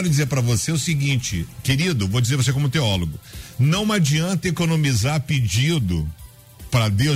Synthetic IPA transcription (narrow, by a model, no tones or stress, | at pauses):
ɾʊd͡ʒizeɾpɾɐvoseʊsiɡĩt͡ʃɪ̰keɾid̪ʊvod͡ʒizeɾvosekõmʊt̪eɔloɡʊnɐ̃w̃mad͡ʒiɐ̃nt̪ɐekonõmizaɾpid͡ʒid̪ʊ | pɾɐd̪ew